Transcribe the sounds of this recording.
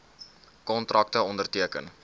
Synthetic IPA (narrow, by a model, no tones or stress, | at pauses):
kɔntrʔɐk̚təɔndərtiəkə̰n